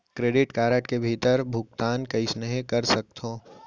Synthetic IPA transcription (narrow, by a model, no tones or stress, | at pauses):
kɾeːɖɪʈkaːɾəʈkebʱiːt̪əɾbʱʊk̚t̪aːnkɐɪsnəɦekɐɾsɐk̚t̪ʰɦõː